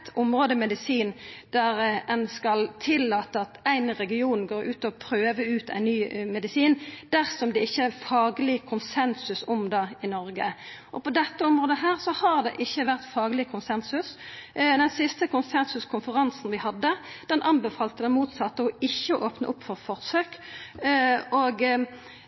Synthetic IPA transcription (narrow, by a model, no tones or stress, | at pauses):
t̪ʊmʁoːd̪əmɛd̪ɪsiːnd̪̥æɾɛnskɑlt̪ʰɪlːɑːt̪əɑt̪æɪnɾɛɡɪuːnɡoːʁʉ̰ːt̪ɔpʰɾøːʋəʉːt̪ʰæ̰ɪnnyːmɛd̪ɪsiːnd̪̥æʁsɔmd̪ɛɪçːəæfɑːɡlɪkʰʊnsɛnsʉsʊmd̪ɑːɪnɔɾɡəʔɔpɔd̪ɛt̪ːəɔmʁoːd̪əɦæːʁsɔhɑʁd̪ɛ̰ʔɪçːəʋæʁt̪fɑːɡlɪkʰʊnsɛnsʉsd̪ɛnsɪst̪əkʊnsɛnsʉskʰʊnfəʁɑnsn̩ʋɪhɑd̪ːəd̪̥ɛnʔɑnbəfɑːlt̪əd̪ɛnmuːt̪sɑt̪ːəɔɪçːəʔoːpnə̰ʔʊpːfɔʁfɔʁsøːk | oːɡ